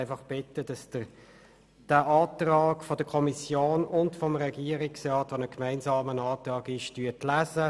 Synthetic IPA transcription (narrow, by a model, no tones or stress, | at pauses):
ɪfɑχb̥ɪtːəd̥ɑsd̥ə | d̥æʔɑːtrɑːɡfɔd̥əkʰɔmisjoːnʊntfɔmʁɛɡiːəɾɪksrɑːtʋonəkmaɪnzɑːmənɑːtrɑːɡɪʃtyətlæːzə